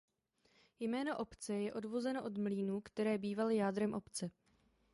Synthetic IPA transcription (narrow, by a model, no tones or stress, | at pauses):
jmɛːno̞ʔo̞pt͡sɛjɛʔo̞dvo̞zɛnoʔo̞d̪mliːnuːkt̪ɛɾɛːbiːvalɪjaːd̪ɾɛmʔo̞pt͡sɛ